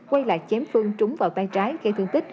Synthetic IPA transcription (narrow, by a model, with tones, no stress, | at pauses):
kwa˧jla̰ː˧˨˩j̚t͡ɕɛ˨˦mfɨ˧əŋt͡ɕʊ˨˦ŋ͡mva̰ː˨˩wt̪aː˧jt͡ɕaː˨˦jɣe˧t̪ʰɨ˧əŋt̪ï˦˥k̟̚